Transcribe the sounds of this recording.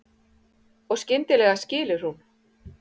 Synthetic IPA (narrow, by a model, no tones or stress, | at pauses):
ɔɣscɪnt̪ɪlɛːɣascɪːlɪɾ̥hun